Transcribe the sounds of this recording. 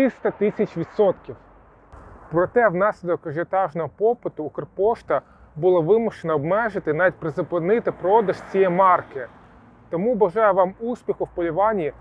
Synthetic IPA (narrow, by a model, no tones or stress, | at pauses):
ɪst̪ɐt̪ɪsʲɐt͡ʃʲʋʲit̪sɔt̪kʲiw | pɾɔt̪ɛwnɑsʲlʲɪd̪ɔkːɐʒɐt̪ɑʒnɔɦɔpɔpɪt̪ʊːkɔrpɔʃt̪ɐ | bʊlˠɐʋɪmʊʃenɐɔbmɛʒɪt̪ɪnɑʋʲit̚ʲpɾezʊpɪnɪt̪ɪpɾɔɔd̪ɐʃt͡sʲijɛmɑrkɪ | t̪ɔmubɐʒɑjɛʋɑmusʲpʲixʊwpɔlʲiʋɑnʲiː